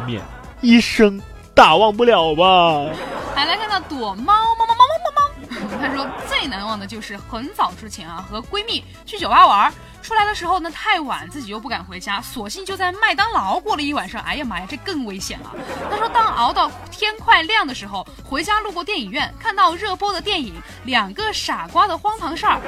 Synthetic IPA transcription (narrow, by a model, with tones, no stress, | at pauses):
mjɛ̰˥˧˩n | i˥˩ʂɤ˥ŋ | t̪a˨˩wɑ˥˧ŋp̬u˥˩ljɑ˨˩ʊbɐ˦ | la˧˥ɪla˧˥ɪkʰa˥˧nt̪ɑ˥˩ʊt̪wɔ˨˩mɑ˥m˥˧m˥mɑ˥mɑ˥m˥mɑ˥t̪ʰa˥ʂ̬wɔ˥t͡swe˥˩ɪna˧˥nwɑ˥˩ŋd̪ə˩t͡ɕjo˥˧ʊʂɻ̩˥˩xə˧˥nsɑ˨˩ʊʈ͡ʂɻ̩˥t͡ɕʰjɛ˧˥nɐ̰˧xɤ˧˥kwe˥ɪmi˥˩ | t͡ɕʰy˥˩t͡ɕjo˨˩ʊpa˥wɐ˧˥ | ʈ͡ʂʰu˥la˧˥ɪd̪ə˧ʂɻ̩˧˥xo˧ʊnə˩t̪ʰa˥˩ɪwa̰˨˩nt͡sɹ̩˥˩t͡ɕi˨˩jo˥˧ʊpu˥˩ka˨˩nxwe˧˥ɪt͡ɕja˥swɔ˨˩ɕi˥˧nt͡ɕjʊt͡sa˥˧ɪma˥˩ɪt̪ɑ˥ŋlɑ˧˥ʊkwɔ˥˩lə˩i˥˩wa˨˩nʂɑ˥ŋʔa̰˧˥ɪjɛ˧˩ma˧˥˧ʈ͡ʂɤ˥˧kɤ˥˩ŋwe˥ɪɕjɛ̰˨˩nʔɐ̰˦t̪ʰa˥ʂwɔ˥t̪ɑ˥ŋʔɑ̰˧˥ʊt̪ɑ˥˩ʊt̪ʰjɛ˥nkʰwa˥˧ɪljɑ˥˩ŋd̪ə˩ʂɻ̩˧˥xo˥˧ʊxwe˧˥ɪt͡ɕja˥lu˥˧kwɔ˥˧t̪jɛ˥˩ni˨˩ŋɥɛ˥˩nkʰa˥˧nt̪ɑ˥˧ʊɻɤ˥˩pwɔ˥d̪ə˨t̪jɛ˥˩ni˨˩˦ŋ | ljɑ˨˩ŋɡə˦ʂa˨˩kwa˥d̪ə˨xwɑ˥ŋpʰɑ˧˥ŋʂə˞˥˩